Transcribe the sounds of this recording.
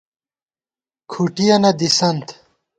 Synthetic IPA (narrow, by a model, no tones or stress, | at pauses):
kʰuʈijɐnɐd̪isɐnt̪